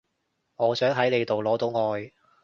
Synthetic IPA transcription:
ŋɔː˨˧sœː˨˥ŋɦɐ˨˥jle˨˧jt̪o˨wlɔː˨˥t̪o˨˥wŋɔː˨˧j

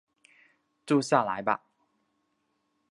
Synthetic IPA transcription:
ʈ͡ʂu˥˧ɕja˥˩la̰˨˦ɪba̰˧

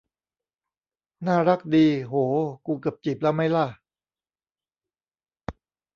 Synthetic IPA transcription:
naː˥˩ɾa˦˥k̚diː˧ɦoː˩˦kuː˧kɯ˨˩p̚t͡ɕi˨˩p̚lɛ˦˥˩wma˥˩jla˥˩

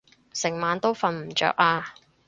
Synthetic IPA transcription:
sɪ˨˩ŋmaː˨˧nt̪o˥wfɐ˨˧nm̩˨˩t͡ʃœ̰ː˨k̚aː˧

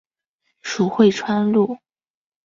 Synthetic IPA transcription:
ʂu˨˩xwe˥˩ɪʈ͡ʂʰwa˥nlu˥˩

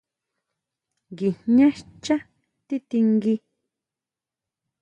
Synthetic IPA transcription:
ŋɡi˨ɲɲã˦ʃt͡ʃã˦ | t̪i˦t̪i˧ŋɡi˧

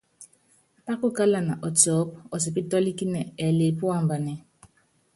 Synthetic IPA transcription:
pa˦kʊ˦ka˦la˨na˨ʔɔ˨tɔː˨˦p̚ɔ˨s̬i˨pi˦tɔ˦li˦ki˦nɛ˨ɛ˨le˨pu˦a˦˨m˨ba˨nɛ˨

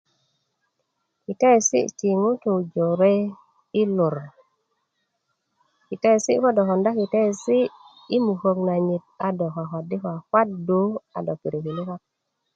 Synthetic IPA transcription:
ki˨te˦˨sḭ˦˨t͡ʃi˨ŋu˦t̪u˨d͡ʒo˨ɾe˦ | i˦lu˨ɾ | ki˨te˦˨si˦kɔ˦dɔ˨kɔ˨nda˦ki˨te˦˨si˦ | i˦mu˨ko˨kna˨ɲi˨t̚a˨dɔ˨ka˨kɔ˨di˦ka˨kwa˦t̚du˦a̰˨dɔ˨ki˨ɾi˨ki˨li˦ka˦k̚

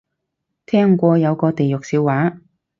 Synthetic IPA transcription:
t̪ʰɛː˥ŋkʷɔː˧jɐ˨˧wkɔː˧t̪e˨jʊ˨k̚siː˧wwaː˨˥

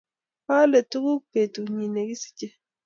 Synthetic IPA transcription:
ha˦le˨tu˦ɡu˦ke˨tu˨ɲi˨ne˨ɡi˦si̥˦t͡ʃe˦

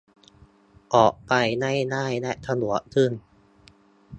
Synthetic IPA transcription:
ʔɔː˨˩k̚pa˧jna˥˩jnaː˥˩jnɛ˦˥t̪ʰa˧nu˨˩˦ɐkʰɯ˥˩n

